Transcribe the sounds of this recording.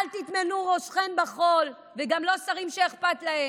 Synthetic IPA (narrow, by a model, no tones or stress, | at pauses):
alt̪it̪menuʁoʃχenbaχo̞l | veɡamlo̞saʁimʃeeχpat̪lahe